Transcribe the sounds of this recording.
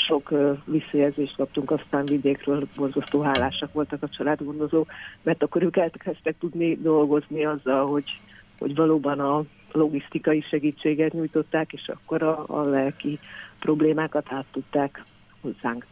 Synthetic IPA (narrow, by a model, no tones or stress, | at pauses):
ʃo̞kːʋisːɒjɛlzeːʃt̪kɒp̚t̪uŋkɒst̪aːɱvid̪eːkrøːlbo̞rzɒst̪oːɦaːlːaːʃɒkʋo̞lt̪ɒkɒt͡ʃɒlaːd̪ɡo̞nd̪o̞zoːkmɛrt̪ɒkːo̞ɾøːkɛlt̪kɛst̪ɛk̚t̪ud̪nid̪o̞lɡo̞zniɒzːɒlɦo̞ɟho̰ɟʋɒloːbɒnɒ | lo̞ɡist̪ikɒjiʃɛɡiːt͡ʃːeːɡɛt̪ɲujt̪o̞t̪ːaːkeːʃɒ̰kːo̞ɾɒ̰lɛlkiprobleːmaːkɒt̪aːt̪ːut̪ːaːk | ho̞zːaːŋk